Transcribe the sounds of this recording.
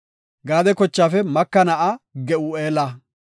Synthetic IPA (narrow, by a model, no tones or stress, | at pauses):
ɡaːd̪ɛkɔt͡ʃːaːfɛmɐkːɐnɐʔɐɡɛʔueːlɐ